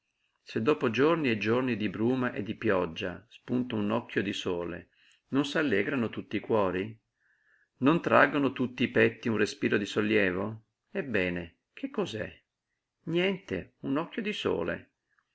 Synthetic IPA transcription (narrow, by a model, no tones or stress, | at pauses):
sed̪ːoːpod͡ʒornied͡ʒornid̪ibɾuːmaʔḛd̪ːipjɔd͡ʒːa̰spunt̪ounɔkʰːjod̪isɔːlḛ | nonsalːɛːɡɾanot̪ut̪ːiːkwɔːɾi | nont̪ɾaɡːonot̪ut̪ːiːpɛt̪ːiunrespiːɾod̪isolːjɛːvo | ebːɛːne | kʰekːɔzɛ̰ | njɛnt̪ḛunɔkːjod̪isɔ̰ːlḛ